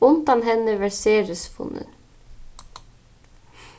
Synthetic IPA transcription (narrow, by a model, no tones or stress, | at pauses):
ʊnd̪ɑnɦɛnəʋæseːɾəsfʊ̰nə̰n